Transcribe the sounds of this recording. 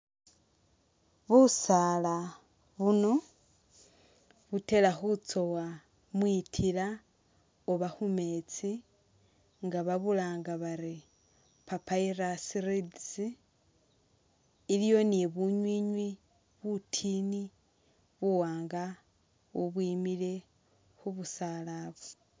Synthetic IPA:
βusala | βuno̞ | βute̞laxut͡so̞wa | mwitʰila | oβaxume̞t͡si | ŋɡaβaβulaːŋɡaβaɾi | papairasiɾidsi | ilijo̞niβuɲwiɲwi | βutʰini | βuwaːŋɡa | uβwiːmile̞ | xuβusalaβo

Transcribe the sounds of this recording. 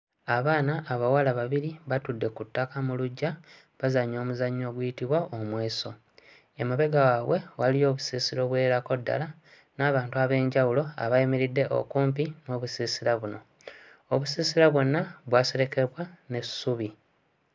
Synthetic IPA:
aβaːnaʔːβawalaβaβiɾiβatudːe̞kutːakamuluɟːa | βazaɲːo̞ːmuzaɲːo̞ːɡwujitiβwaomweːso̞ | emaβe̞ɡawaβwe̞walio̞ːβusiːsiɾo̞βwe̞ːɾako̞dːa̰la | naːβaːntuaβe̞ːɲɟawulo̞a̰βajimiɾidːe̞ʔo̰kuːmpimo̞ːβusiːsiɾaβuno̞ | oβusiːsiɾaβwo̞nːaβwaːseɾe̞ke̞βwane̞sːuβi

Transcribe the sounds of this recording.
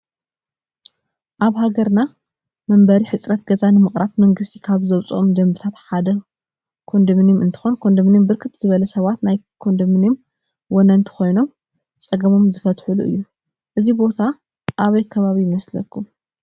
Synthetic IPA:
ʔaβɦaɡɐɾna | mɐmbɐɾiħɨt͡sʼɾɐt̪ɡɐzanɨmɨχʼɾafmɐŋɡɨst̪ʰikʰaβzɐwt͡sʼʔomd̪ɐmbɨt̪ʰat̪ħad̪ɐ | kʰo̞nd̪ɨmɨnimɨnt̪ʰɨ̥xo̞nkʰo̞nd̪ɐmnimbɨɾkʰɨt̪z̥ɨβɐlɐsɐβat̪najkʰo̞nd̪ɨmɨnim | wɔnɐɨnt̪ʰɨ̥xo̞jno̞m | t͡sʼɐɡɐmo̞mzɨfɐt̪ħuluʔɨ̰jːu | ʔɨzibo̞t̪ʰa | ʔaβɐjkʰɐβaβijɪmɐslɐkʰːum

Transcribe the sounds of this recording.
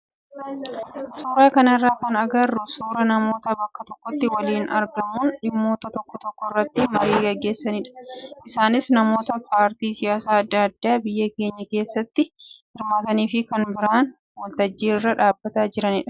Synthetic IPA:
suːɾaːkɐnɪrːaːkɐnɐɡɐrːʊsuːɾɐnɐmo̞ːt̪ɐbɐkːɐt̪ɔkːɔt̪ːɪwɐliːnʔɐ̰ɾɡɐmuːnᶑɪmːo̞ːt̪ɐt̪ɔkːɔt̪ɔkːɔɪrːɐt̪ːɪmɐɾiːɡɐɡːe̞ːsːɐnɪᶑɐ̥ʔɪsaːnɪsnɐmo̞ːt̪ɐpaːɾt̪iːsɪjaːsaːɐd̪ːɐːɐd̪ːaːbɪjːɐke̞ːɲːɐke̞ːsːɐt̪ːɪhɪɾmaːt̪ɐniːfɪkɐnbɪɾaːn | wɔlt̪ɐd͡ʒːiːrːɐᶑaːbːɐt̪aːd͡ʒɪɾɐnɪᶑɐ̥

